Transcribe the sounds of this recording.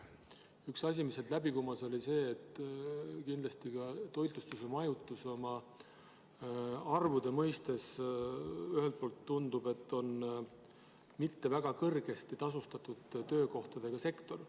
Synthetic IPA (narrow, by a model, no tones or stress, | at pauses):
yksɑsʲimiselt̪læbikumɑso̞lʲise̞ːt̪ːˑ | kind̪̥lɑst̪iɡ̥ɑt̪o̞jt̪ˑust̪usɑmɑjut̪ːˑuso̞mɑ | ɑrvud̪̥emɤjst̪e̞s | yɦelt̪̚poːlt̪ːund̪ube̞t̪ːo̞n | mit̪ːe̞væɡ̥ɑkɤrɡ̥e̞st̪it̪ɑsust̪ɑt̪ːˑud̪̥t̪ø̞ːko̞ht̪ɑd̪̥e̞ɡ̥ɑse̞kt̪o̞r